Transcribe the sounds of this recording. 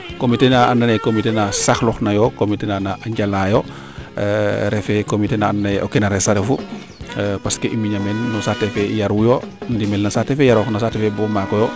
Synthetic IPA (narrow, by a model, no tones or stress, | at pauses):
komitenaʔanːanekomitenasaxlɔxnajɔkomitenanaʔaɲɟalajo | ɾɛfɛkomitenaanːao̰kenaɾɛsaɾefu | paskeʔimiɲamɛlnɔsatefɛjaɾwujondimɛlnasatɛfɛjaɾɔxnasatefebɔmakɔjɔ